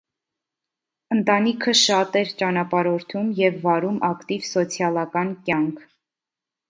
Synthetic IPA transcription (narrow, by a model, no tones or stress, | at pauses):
ənt̪ɑnikʰəʃɑt̪ɛɾt͡ʃɑnɑpɑɾɔɾt̪ʰumjɛvːɑɾumʔɑkt̪ivsɔt͡sʰjɑlɑkɑnkjɑŋkʰ